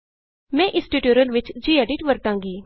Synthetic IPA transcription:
mɛ̃ːʔɪsʈiʈjuːɾəlʋɪt͡ʃd͡ʒiːɛːɖɪʈʋəɾt̪ãːŋɡiː

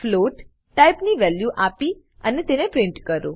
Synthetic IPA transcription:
floʈː | ajpniʋɛljuʔapi | ənet̪enepɾɪ̃ɳʈkəɾo

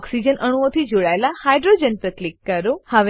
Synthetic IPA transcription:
ɔksid͡ʒənʔəɽ̃uot̪ʰid͡ʒoɭaelahajɖɾod͡ʒənpɾəklikːəɾohəʋe

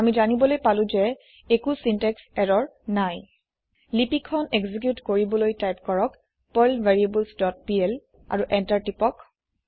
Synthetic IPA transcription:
amizanibɔlojpalʊ̃zɛ | ekusintɛksɛɹɔɹnaj | lipikʰːɔnekzik̬jutkoɹibɔlojtajpkɔɹɔk | pɔlvaɹiebulsdɔt̚piɛl | a̰ɹuʔɛntaɹtipɔk

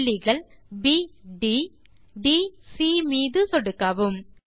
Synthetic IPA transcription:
ɭːɪɣɐɭbiːɖi | ɖiːsiːmiːðɯt̪ɔɽɯkːɐʋɯm

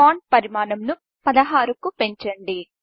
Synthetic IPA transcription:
aːɳʈ̚pɐɾimaːnɐmnu | pɐd̪ɐɦaːɾukupe̞ɲt͡ʃɐɳɖi

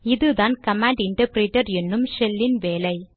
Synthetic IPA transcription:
ɪðɯðaːnkɐmaːɳɖɪɳʈɐɾpɾeːʈːɐɾɛnːɯmʃɛlːɪnʋeːlɐɪ

